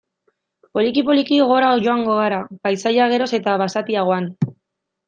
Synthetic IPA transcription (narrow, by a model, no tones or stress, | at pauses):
po̞likipo̞likiɣ̞o̞ɾaoʝo̞aŋɡo̞ɣ̞aɾapajsaʎaɣ̞e̞ɾo̞se̞t̪aβasat̪iaɣo̞an